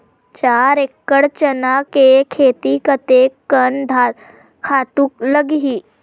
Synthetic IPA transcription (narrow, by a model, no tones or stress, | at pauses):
t͡ɕaɾekːəɽt͡ɕənakekʰet̪ikət̪ekːənd̪ʱa | kʰat̪uːk̚ləɡɦiː